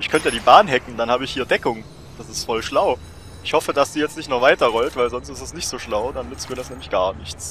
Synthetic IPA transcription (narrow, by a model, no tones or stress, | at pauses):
ʔɪçkʰœntəjaːdiːbaːnɦɛkŋ̩d̥anhaːbəɪçhiːɐdɛkʊŋ | d̥asɪstfɔlʃlaʊ | ʔɪçhɔfədasd̥iːjɛt͡stnɪçtnɔχv̥aɪtɐʁɔltv̥aɪlzɔnstɪstɛsnɪçtz̥oːʃlaʊdanmɪt͡siːtdɛsnɛːmlɪçɡ̥aːɐnɪçt͡s